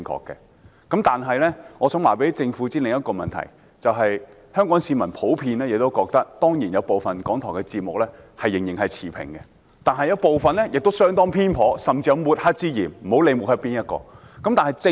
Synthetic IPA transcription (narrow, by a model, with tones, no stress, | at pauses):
ŋkʰɔ̰ː˧kːɛ̰˧ | kɐ˨˥mt̪aː˨nɦɐ˨jlɛ˥ŋɔː˨˧sœː˨˥waː˨˩pe˨˥jt͡sɪ˧ŋfu˨˥t͡siː˥lɪ˨ŋjɐ˥t̚kɔː˧mɐ̰˨nt̪ʰɐ̰˨˩j | t͡sɐ˨wɦɐ˨j | hœː˥ŋkɔː˨˥ŋsiː˨˧mɐ˨˩npʰo˨˥wpʰiː˧nlɛː˥jɪ˨˧k̚t̪o˥wkɔː˧k̚t̪ɐ˥k̚t̪ɔː˥ŋjiː˨˩njɐ˨˧wpo˨wfɐ˨nkɔː˨˥ŋt̪ʰɔː˨˩ŋkɛ˧t͡siː˧t̚mʊ˨k̚lɛ˥hɐ˨jːɪ˨˩ŋjɪ˨˩ŋɦɐ˨jt͡sʰiː˨˩pʰɪ̰˨˩ŋkɛ˧ | t̪aː˨nɦɐ˨jɐ˨˧wpo˨wfɐ˨nlɛ˥jɪ˨k̚t̪o˥wsœː˥ŋt̪ɔː˥ŋpʰiː˥npʰɔː˨˥sɐ˨mt͡siː˧jɐ˧muː˨t̚ha˥t̚t͡siː˥jiː˨˩nm̩˨˩ho˨˥wle˨˧jmu˨hɐ˥t̚piː˥njɐ˥t̚kɔ̰ː˧ | kɐ˨˥mt̪aː˨n˨jt͡sɪ˧